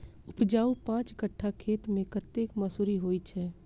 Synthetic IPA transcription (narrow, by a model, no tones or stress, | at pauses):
ʊpd͡ʒaːupãːt͡ʃkəʈʰːakʰeːt̪mẽkət̪ːekmɐsuːɾiɦoːit͡ʃʰɛː